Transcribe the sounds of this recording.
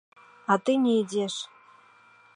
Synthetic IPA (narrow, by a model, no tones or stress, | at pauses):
ɑt̪ɨnʲeidʲeʃ